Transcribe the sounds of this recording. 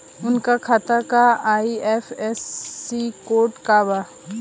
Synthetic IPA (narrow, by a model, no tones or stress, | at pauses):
ʊnkakʰat̪akaaːiɛːfɛːsːikoːʈkaːba